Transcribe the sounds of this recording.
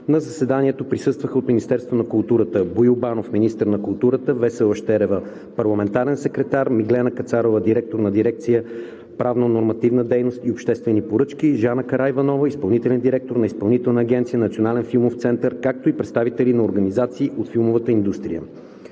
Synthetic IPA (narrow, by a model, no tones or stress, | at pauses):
nɐzɐsɛd̪aniɛt̪opɾisɤst̪vəxəot̪minist̪ɛɾst̪vonɐkʊlˠt̪uɾət̪əbujʊbanofminist̪əɾnɐkulˠt̪uɾət̪əvɛsɛlˠəʃt̪ɛɾɛvə | pɐɾlˠɐmɛnt̪aɾɛnsɛkɾɛt̪aɾmiɡlɛnəkɐt̪saɾovəd̪iɾɛk̚t̪oɾnɐd̪iɾɛkt̪sijə | pɾavnonoɾmɐt̪ivnəd̪ɛjnost̪iopʃt̪ɛst̪vɛnipoɾɤt͡ʃk̟iʒanəkɐɾajvɐnɔvəispɐlˠnit̪ɛlɛnd̪iɾɛk̚t̪oɾnɐispɐlˠnit̪ɛlˠnəːɡʲɛnt̪sijənɐt̪sionalɛnfilˠmoft̪sɛnt̪əɾkak̚t̪oipɾɛt̪st̪avit̪ɛlinɐoɾɡɐnizat̪siːʔot̪filˠmovət̪əind̪ust̪ɾḭjə̰